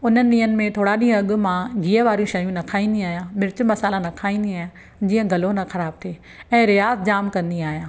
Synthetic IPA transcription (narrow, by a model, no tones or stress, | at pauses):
ʊnənɪ̆ɗĩːɦənɪ̆mẽt̪ʰoːɽaɗĩːɦə̃ɐɠʊ̆mãɡiːəʋaːɾijũʃɐjũnɐkʰaːĩːnd̪iaːɦijãːmɪɾɪt͡ɕʊmɐsaːlanɐkʰaːĩːnd̪iaːɦ | d͡ʑiːə̃ɡʱɐlonɐxɐɾaːb̚t̪ʰeː | ɛ̃ːɾijaːzd͡ʑaːmkɐ̃nd̪iaːɦijãː